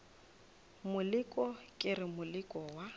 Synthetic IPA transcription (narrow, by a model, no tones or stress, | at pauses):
mʊlɪkʼɔkʼɪrɪmʊlɪkʼɔwa